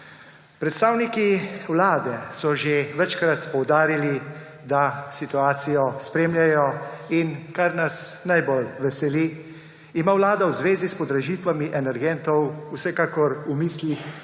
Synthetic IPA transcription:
pɾɛt̪st̪aːwnikiwlaːd̪ɛsɔʒeʋɛt͡ʃkɾat̪pɔwd̪aːɾili | d̪asit̪uaːt̪sijɔspɾeːmljajɔinkaɾnasnajbɔlʋɛsɛliː | maːwlaːd̪awzʋeːzispɔd̪ɾɛʒiːt̪ʋamiʔɛnɛɾɡɛnt̪ɔwusɛkaːkɔɾumiːslix

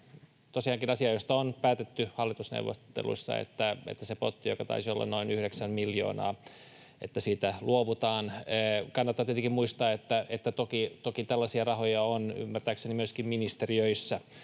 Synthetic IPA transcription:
t̪osiɑŋkinɑsiɑjost̪ɑonpæːt̪et̪ːyhɑlːit̪usnḛuwʋːo̰t̪ːḛlṵisːɑ̰ḛt̪ːæḛt̪ːæsepot̪ːijokɑt̪ɑ̰isio̰lːɑ̰nnoinyhɾeksæmmiljo̰ːnɑ̰ː | et̪ːæsiːt̪ælʔuoʋut̪ɑːnːkɑnːɑt̪ːɑːt̪et̪ikimmuist̪ɑːet̪ːæʔet̪ːæt̪okit̪okit̪ælːæsiɑrɑhojɑony̰mːært̪æːksenimyøskimminist̪eriøisːæ

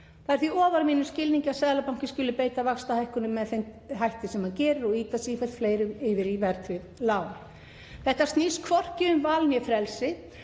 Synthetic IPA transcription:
θaðɛɾ̥θviɔːvaɾmiːnʏscɪlniɲcasɛːðlapawŋ̥cɪscʏːlʏpeːjt̪avakst̪ahajhkʏnʏmːɛðθejm | ɦajht̪ɪsɛmaðcɛːɾɪɾɔɣiːt̪asifɛ̥t̪fleːjɾʏɪːvɪɾivɛɾt̪vɪðlaːwnɪ | θɛht̪ast̪niːskʰvɔr̥cɪʏmvaːlmjɛfɾɛlsɪ

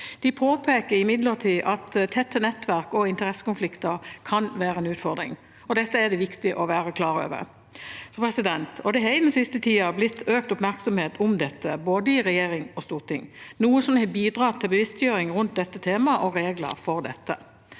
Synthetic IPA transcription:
d̪̥ɪpʰoːpʰeːkəɾɪmɪd̪ləʁt̪ʰiːʔɑt̪t̪ʰɛt̪ʰːənɛt̪ːʋæɾkɔɪnt̪əɾɛsːə̥kʊnflɪkt̪əɾkʰɑnʋæːɾəɛnʉːt̪fɔd̪ʁɪ̰ŋ | ɔd̪ɛt̪ːəæd̪ɛʋɪkt̪ɪʔɔʋæːɾəkʰlɑːɾø̰ːʋə̰ɾ | sɔpʰɾɛsɪd̪ɛnt̪ʰɔd̪ɛɦɛɪd̪ɛnsɪst̪ət̪ʰiːɑblɪt̪ʰːøːk̚t̪ʊpmæɾksɔmheːt̪ʰʊmd̪ɛt̪ːəboːd̪əɪʁɛjeːɾɪŋɔst̪uːʁt̪ɪ̰ŋːnuːəsɔmnhɛbiːd̪ʁɑːt̪ʰːɪlbəʋɪst̪jøːɾɪŋɾʉnt̪̚d̪ɛt̪ːət̪ʰeːmɑʔɔɾeːɡlə̰ɾfɔʁd̪ɛ̰t̪ːə̰

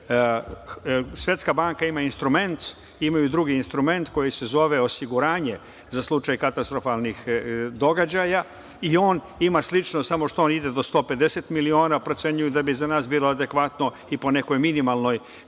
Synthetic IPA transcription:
sʋje̞t̪skabaŋkaimainst̪ɾume̞nt̪ | imajud̪ɾuɡiːnst̪ɾume̞nt̪ko̞jise̞zo̞ʋe̞o̞siɡuɾaːɲe̞ | zaslˠut͡ʃajkat̪ast̪ɾo̞falˠnixd̪o̞ɡad͡ʑaja | io̞ːn | imaslit͡ʃnosamo̞ʃt̪oonid̪e̞d̪o̞st̪o̞ːpe̞d̪e̞se̞t̪milio̞ːnapɾo̞t̪se̞ɲujud̪abizanaːsbiːlˠo̞ad̪e̞kʋat̪no̞ | ipo̞ne̞ko̞jminimalˠno̞j

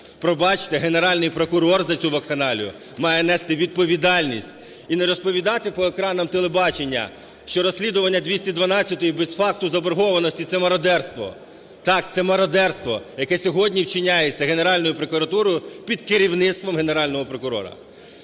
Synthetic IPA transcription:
pɾɔbɑt͡ʃɪ̥t̪eɦene̞ɾɑlʲnɪjpɾɔkʊɾɔrzɐt͡sʲuʋɐkxɐnɑlʲʊ̰ | mɑjɛnɛst̪ɪʋʲid̪̚pɔʋʲid̪ɑlʲnʲisʲtʲ | ineɾɔspɔʋʲid̪ɑt̪ɪpɔekɾɑnɐmt̪elˠebɑt͡ʃenʲːɐ̰ | ʃt͡ʃɔɾɔsʲlʲid̪ʊʋɐnʲːɐd̪ʋʲisʲtʲid̪ʋɐnɑt͡sʲːɐt̪ɔjibesfɑk̚t̪ʊzɐbɔɾɦɔʋɐnɔsʲtʲit̪sɛmɐɾɔd̪ɛrst̪ʋɔ̰ | t̪ɑkt̪sɛmɐɾɐd̪ɛrst̪ʋɔ̰jɐkɛsʲɔɦɔdʲnʲiwt͡ʃɪnʲajet͡sʲːɐɦe̞neɾɑlʲnɔjʊpɾokʊɾɐt̪uɾɔjʊpʲid̪kɪɾʲiwnɪt̪st̪ʋɔmɦeneɾɑlʲnɔɦɔpɾɔkʊɾɔ̰ɾɐ̰

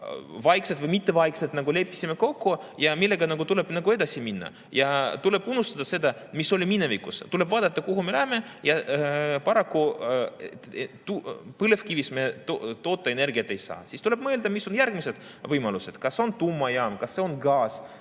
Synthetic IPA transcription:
vɑjkse̞d̪vɤjmit̪ːevɑjksed̪nɑɡule̞pːˑi̥sʲime̞ko̞kːujɑmilːe̞ɡɑnɑɡut̪ule̞b̥nɑɡue̞d̪̥ɑsiminːɑ̰ | jɑt̪ule̞b̥unːust̪ɑd̪ɑse̞d̪ɑmiso̞lʲimine̞vikust̪uleb̥vɑːd̪̥ɑt̪ːɑkuɦumelæheme̞jɑpɑɾɑkːu | t̪upɨlefkivismet̪ot̪o̞ːt̪ːˑɑene̞rɡiɑt̪ːˑe̞jsɑ̰ːsist̪ule̞b̥mɤːld̪ɑmisːo̞njærɡ̥mise̞d̪̥vɤjmɑluse̞d̪̥kɑso̞nt̪umːɑjɑːmkɑsːe̞o̞nɡɑːs

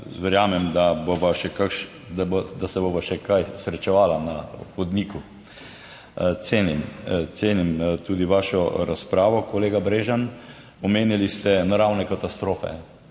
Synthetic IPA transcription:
ʋɛɾjaːmɛmd̪aboʋaʃɛkakʃ | d̪bd̪asɛboːʋaʃɛkajsɾɛt͡ʃɛʋaːlanaxɔd̪niku | t̪seːnimt̪seːnimt̪uːd̪iʋaːʃɔɾaspɾaːʋɔkɔleːɡabɾeːʒan | ɔmeːnilist̪ɛnaɾawnɛkat̪ast̪ɾoːfɛ̰

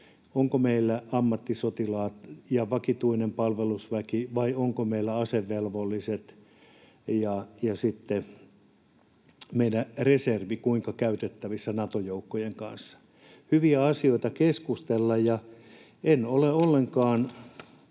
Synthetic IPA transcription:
oŋkomeilːæɑmːɑt̪ːisot̪ilɑːt̪jɑʋɑkit̪uinempɑlʋelusʋækiʋɑioŋkomeilːæɑseʋːelʋolːiset̪ | jɑjɑsit̪ːe | meidæreserʋikuiŋkɑkæyt̪et̪ːæʋisːænɑt̪ojoukːojeŋkɑ̰nsːɑ̥ | hyʋiæɑsioit̪ɑkeskust̪elːɑjjɑ | enoleolːeŋkɑːn

